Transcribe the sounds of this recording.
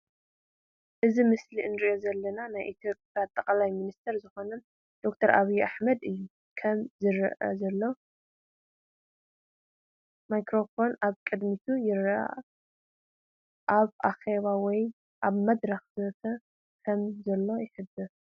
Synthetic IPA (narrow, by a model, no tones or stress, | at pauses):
ʔɨzimɨslinɨɾiʔo̞zɐlːɐnanajʔit̪ʰjo̞pʼjat̪ʼːɐkʼlajminist̪ʰɐɾzɨxo̞nɐn | d̪̥o̞kt̪ʰɐɾʔaβijuʔaħmɐd̪ɨjːu | kʰɐmzɨɾ̰ʔɐ̰zɐlːo̞ | majkʰɾo̞fo̞naβkʼɨd̪mit̪ʰujɪɾʔa̰ʔ | ʔaβʔaxeβawɔj | ʔaβmɐd̪ɾɐxzɨɐt̪ʰɐ | kʰɐmzɐlːo̞jɪħɨd̪ɨ